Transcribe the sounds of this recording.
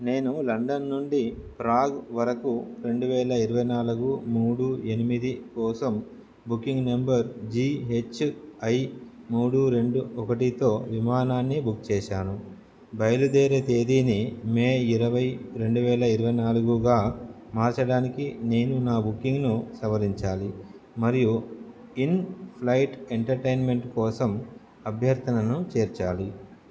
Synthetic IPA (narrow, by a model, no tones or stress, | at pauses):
ne̞ːnulɐɳɖɐnːuɳɖipɾaːɡʋɐɾɐkuɾe̞ɳɖuʋɛːlɐiɾuʋɐjnaːluɡumuːɽue̞nimid̪ikɔːsɐm | bukːiŋɡnembɐɾd͡ʒiːɦe̞t͡ʃːɐjmuːɽuɾe̞ɳɖuɔkɐʈit̪o̞ːʋimaːnaːnːibukt͡ʃɛːʃaːnu | bɐjɐlud̪ɛːɾet̪eːd̪iːnimeːiɾɐʋɐjɾe̞ɳɖuʋɛːlɐiɾuʋɐjnaːluɡuɡaː | maːɾt͡ʃɐɽaːnikine̞ːnunaːbukːiŋɡnusɐʋɐɾiɲt͡ʃaːli | mɐɾiju | inpʰlɐjʈeɳʈɐɾʈɐjnme̞ɳʈkɔːsɐm | ɐbʱjɐɾt̪ɐnɐnut͡ʃeːɾt͡ʃaːli